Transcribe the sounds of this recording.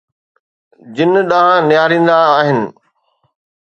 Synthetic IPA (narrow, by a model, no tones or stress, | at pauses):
d͡ʑɪnɗaɦãnjaːɾĩːn̆d̪aːɦɪnɪ̆